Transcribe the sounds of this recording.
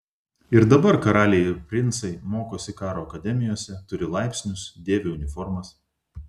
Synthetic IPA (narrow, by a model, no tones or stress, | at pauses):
ɪɾd̪ɐbɐɾkɐɾɑːlʲejɪɾpʲɾʲɪnˑt̪sɐɪmoːkoːsʲɪkɑːɾoːɐkɐd̪ʲɛmʲɪjoːsʲɛt̪ʊɾʲɪlˠɑɪpʲsʲnʲʊsd̪ʲeːʋʲeʊnʲɪfɔɾmɐs